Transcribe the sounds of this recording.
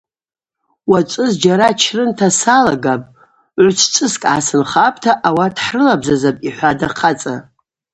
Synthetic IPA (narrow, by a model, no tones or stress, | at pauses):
wat͡ʃʷʼɨzd͡ʒaɾat͡ʃʰrɨntʰasalaɡapʼ | ʕʷʊt͡ʃʰt͡ʃʰʼɨskʼasɨnχapʼtʰaʔawadħrɨlabzazapʼiħʷadaqʰat͡sʼa